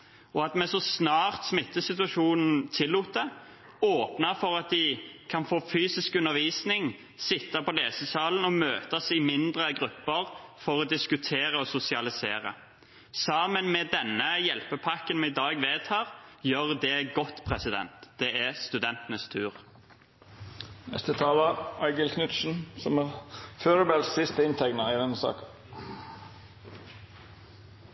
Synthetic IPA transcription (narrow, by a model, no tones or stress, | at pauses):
ɔɑt̪mɛsɔsnɑːʁt̪smɪt̪ːəsɪt̪ʉɑʂuːnn̩t̪ʰɪlːuːt̪̚d̪ɛ | oːpnəʁfɔʁɑt̪̚d̪ɪkʰɑnfoːfyːsɪskʉnːəʁʋiːsnɪŋ | sɪt̪ːɑpɔleːsəsɑːln̩ɔmøːt̪əsɪmɪnd̪ʁəɡɾʉpːəʁfɔʁɔd̪ɪskʉt̪ʰeːɾəɔsʊsɪɑlɪseːɾə̰ | sɑːmənmɛd̪ɛnːəjɛlpəpʰɑkənmɛɪd̪ɑːɡʋeːt̪ʰɑːʁjøʁd̪ɛɡɔt̪ːpʰʁɛsɪd̪ɛ̰nt̪d̪̥ɛæst̪ʉd̪ɛnt̪ənəst̪ʰʉːʁ | nɛ̰st̪ət̪ʰɑːləæɪɡəlkʰnʉt̪ʃn̩sɔmæføːɾəbælssɪst̪əɪnt̪ʰɛɡnɑɪd̪ɛnːəsɑ̰ːkə